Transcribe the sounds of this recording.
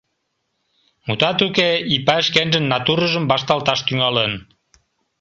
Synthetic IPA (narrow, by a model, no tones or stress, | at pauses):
mut̪ɑt̪ukeipæəʃkenʒənːɑt̪uɾəʒəmbɑʃt̪ɑlt̪ɑʃt̪yŋɑlən